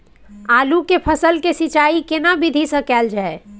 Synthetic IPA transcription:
alukepʰəsəlkesit͡ʃaikenabid̪ʱisə̃kɛld͡ʒae

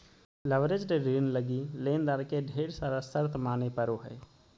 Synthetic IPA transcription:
lɐʋɾed͡ʒɖeɾiːnləɡileːnd̪aːɾkeɖʱeːɽsaːɾasəɾt̪ʰmaːnepɐɾoɦɛ̰ː

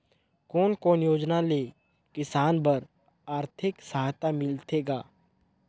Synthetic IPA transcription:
koːnkoːnjoːd͡ʒnaleː | kɪsaːnbəɾ | aːɾt̪ʰɪksəɦat̪amɪlt̪ʰeːɡaː

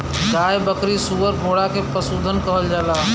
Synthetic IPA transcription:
ɡaːebəkɾisuʋəɾbʱoːɽakʰepəsuːd̪ʱənkɐɦəld͡ʒaːlaː

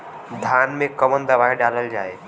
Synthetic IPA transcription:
d̪ʱanmẽkəmənd̪əbaiɖaləld͡ʒae

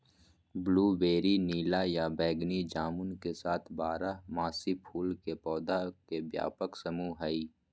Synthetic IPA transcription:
bluːbeːɾiniːlajabɛːɡnid͡ʒaːmʊnkesaːt̪ʰbaːɾamaːsipʰuːlkepɔːd̪akebja̰ːpəksɐmuːɦɛiː

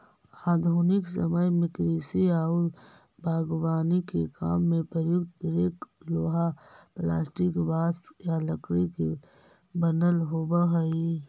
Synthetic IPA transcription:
aːd̪ʱuːnɪksə̰məjmɪkɾiːsiaːʊl | bʱaːɡwaːnikḛka̰ːmːẽpəɾjʊkt̪ɾeːkloːɦapla̰ːsʈɪkʋaːsjaləkɽike | bənəlɦoːbəɦəi

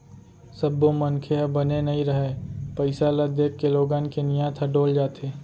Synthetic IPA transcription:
səbːomənkʰeɐbənenɐɦĩɾəɦepəɪsalad̪eːkːeloːɡaːnkenɪjãːt̪ʰɐɖoːld͡ʒaːt̪ʰeː

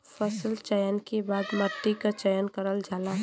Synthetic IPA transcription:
pʰəsəlt͡ʃəjənkebad̪mət̪ːikət͡ʃəjənkəɾəld͡ʒʱala

